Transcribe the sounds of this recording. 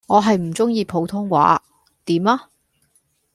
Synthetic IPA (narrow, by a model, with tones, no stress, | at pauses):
ŋɔː˨˧ɦɐ˨jm̩˨˩t͡sʊ˥ŋjiː˧pʰo˨˥wt̪ʰʊ˥ŋwa̰ː˨˥ | t̪iː˨˥maː˦˥